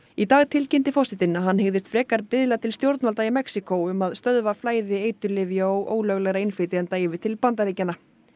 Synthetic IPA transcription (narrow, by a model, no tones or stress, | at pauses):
it̪aːɣt̪ʰɪlcɪnt̪ɪfɔsɪt̪ɪnːaɦanːhɪɣðɪst̪fɾɛːkaɾpɪðlat̪ʰɪlst̪jowɾt̪nvalt̪aɪmɛksikowʏmaðst̪œðvaflaːjðɪeːjt̪ʏlɪvjaɔɣʔo̰ːwlœɣlɛɣɾaɪnfɪːt̪ɪɛnt̪aːjvɪt̪ʰɪlpant̪̬aɾiːcanːa